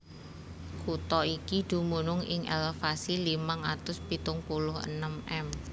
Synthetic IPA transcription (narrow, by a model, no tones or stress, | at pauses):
kut̪ɔikid̪̥ṳmunʊŋɪ̰ŋʔḛlfasilimaŋat̪ʊspit̪ʊŋpulʊhə̰nəmɛm